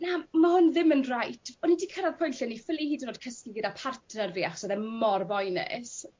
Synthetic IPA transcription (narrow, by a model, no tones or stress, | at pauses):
namahʊnðɪmənrajtʰɔnidiːkʰaɾaðpʰɔjnɬɛnifɪlˠihiːdənoːd̥̚kʰəskiɡədapʰartʰnərviaχɔ̥sɛðɛmɔrvɔjnɛ̰s